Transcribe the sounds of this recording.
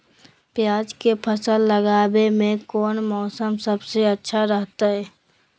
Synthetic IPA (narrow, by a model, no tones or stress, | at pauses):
pjaːd͡ʒkepʰəsəlːəɡaːbemẽkɔːnmɔːsəmsəbseətːʃʰaɾəɦt̪aɦɛː